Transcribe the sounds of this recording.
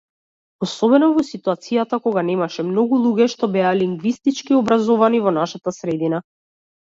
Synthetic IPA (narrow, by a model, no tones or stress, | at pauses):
ɔsɔbɛnɔvɔsit̪uat̪sijat̪akɔɡanɛmaʃɛmnɔɡulˠuɡɛʃt̪ɔbɛaliŋɡvist̪it͡ʃkiɔbɾazɔvanivɔnaʃat̪asɾɛd̪ina